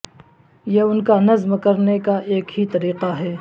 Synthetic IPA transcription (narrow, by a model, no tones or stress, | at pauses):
jeʊnkanɐzmkɐɾnekaʔeːkɦit̪ɐɾiːqaɦɛː